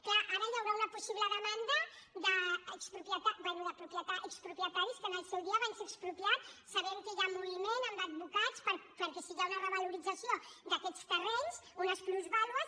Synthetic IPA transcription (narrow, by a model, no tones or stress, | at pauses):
klaʔaɾəjawɾaunəpusiβləðəmand̪əd̪əəkspɾupjət̪ad̪ənuəpɾupjət̪aʔəkspɾupjət̪aɾiskənəlˠsɛwðiəβajseəkspɾupjat̪sɐβɛmkəjamːuβimenəmb̪əd̪βukat͡spəɾpəɾkɛsiɣaunarəβaluɾid͡zəsiod̪əkɛt͡st̪əreɲsunəskɾuzβalβəs